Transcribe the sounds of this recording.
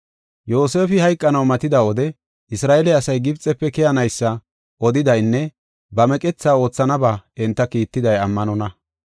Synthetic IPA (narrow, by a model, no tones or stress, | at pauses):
jo̞ːseːfɪhɐjkʼːɐnɐwmɐt̪ɪd̪ɐwɔd̪ɛ | ʔɪsɾaːʔɛlɛɐsɐjɡɪbt͡sʼːɛpːɛkɛjɐnɐjsːɐ | ʔɔd̪ɪd̪ɐjnːɛ | bɐmɛkʼɛt͡sːaːo̞ːt͡sːɐnɐbaːɛnt̪ːɐkiːt̪ːɪd̪ɐjɐmːɐnɔnɐ